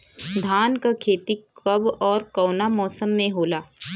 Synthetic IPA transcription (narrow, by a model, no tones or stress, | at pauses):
d̪ʱaːnkakʰeːt̪ikɐbɔːɾkɔːnamɔːsəmːẽɦoːlaː